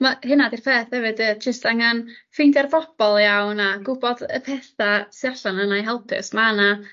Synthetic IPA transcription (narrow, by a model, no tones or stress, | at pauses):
mahɨnadirpʰeːθhɛvɨdəd͡ʒəstaŋanfɪjndɛrvɔb̥ɔlˠjawnaɡʊbɔdəpʰɛθasrɬanənajɦɛlˠpʰɪ̰smana